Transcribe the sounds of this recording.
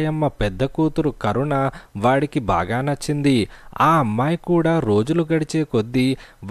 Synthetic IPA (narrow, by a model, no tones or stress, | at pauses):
jɐmːɐpɛd̪ːɐkuːt̪uɾukɐɾuɳaːʋaːɽikiba̰ːɡaːnɐt͡ʃːind̪iaːɐmːaːjɐkuːɽaːɾo̞ːd͡ʒuluɡɐɽit͡ʃeːkod̪ːiʋ